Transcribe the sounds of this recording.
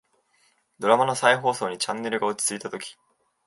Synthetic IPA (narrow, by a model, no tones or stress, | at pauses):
d̪o̞ɾamano̞saiɦo̞ːso̞ːɲ̟it͡ɕãnːe̞ɾɯ̟ɡaot͡ɕi̥t͡sɨit̪at̪o̞kʲi̥